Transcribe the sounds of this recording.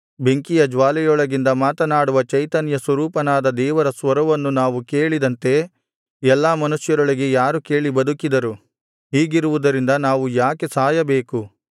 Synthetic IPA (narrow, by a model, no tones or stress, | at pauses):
be̞ŋkijɐd͡ʒʋaːlɛjɔɭɐɡind̪ɐmaːt̪ɐnaːɽuʋɐt͡ʃɐjt̪ɐnjɐsʋɐɾuːpɐnaːd̪ɐd̪ɛːʋɐɾɐsʋɐɾɐʋɐnːunaːʋuke̞ːɭid̪ɐnt̪e̞ | ɛlːaːmɐnusjɐɾɔɭiɡe̞jaːɾuke̞ːɭibɐd̪ukid̪ɐɾu | ɦiːɡiɾuʋud̪ɐɾind̪ɐnaːʋujaːke̞saːjɐbe̞ːku